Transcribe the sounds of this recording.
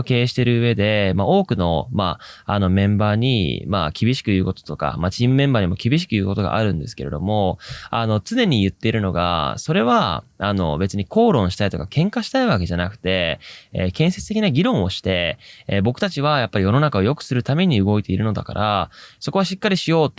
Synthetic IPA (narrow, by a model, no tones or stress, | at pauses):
ke̞ːɕi̥t̪e̞ɾɯ̟ɯ̟e̞d̪e̞mao̞ːkɯ̟no̞maano̞mẽ̞mbaːɲ̟ḭma̰kʲibʲiɕi̥kɯjɯ̟ːko̞t̪o̥t̪o̞ka̰mat͡ɕiːmɯ̟mẽ̞mbaːɲ̟imo̞kʲibʲiɕ̬i̥kɯ̟jɯ̟ːko̞t̪o̞ɡa̰ʔaɾɯ̟̃nd̪e̞sɨ̥ke̞ɾe̞d̪o̞̰mo̞a̰no̞t͡sɨne̞ɲ̟ijɯ̟t̪ːe̞iɾɯ̟no̞ɡa̰so̞ɾe̞βaano̞̰be̞t͡sɨɲ̟iko̞ːɾõɰ̃ɕi̥t̪ait̪o̞kakʰẽ̞ŋkaɕi̥t̪aiβake̞ʑanakɯ̟̥t̪e̞eːkẽ̞ɰ̃se̞t͡sɨt̪ekʲinaɡʲiɾõ̞ɰ̃o̞ɕi̥t̪e̞ːbo̞kɯ̟t̪at͡ɕiβ̞ajapːaɾʲijo̞no̞nakao̞jo̞kɯ̟̥sɨɾɯ̟t̪ame̞ɲ̟iɯ̟ɡo̞it̪e̞iɾɯ̟no̞d̪a̰ka̰ɾʔaso̞ko̞aɕikːaɾʲiɕijo̞ːt̪